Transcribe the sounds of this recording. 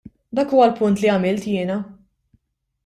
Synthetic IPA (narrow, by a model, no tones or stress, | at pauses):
d̪ɐːkuːwɐlpʊnt̪liɐmɪlt̪jɪːnɐ